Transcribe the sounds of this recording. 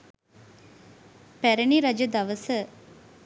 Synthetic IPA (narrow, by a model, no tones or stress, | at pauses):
pæɾəniɾad͡ʒəd̪aʋəsə